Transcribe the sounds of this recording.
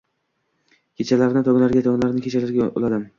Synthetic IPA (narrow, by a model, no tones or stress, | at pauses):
kʲʰet͡ʃʰalaɾnɪt̪ʰɒɡlaɾɡʲat̪ʰɒɡʲɪnlaɾɪnɪkʰʲet͡ʃʰalaɾɡʲao̰lad̪ɪm